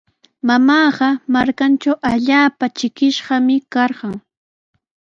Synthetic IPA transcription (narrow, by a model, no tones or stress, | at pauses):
mamɑːɢɑmaɾkant͡ʃawʔaʎaːpat͡ʃɪkɪʃɢɑmɪkɑɾɢɑŋ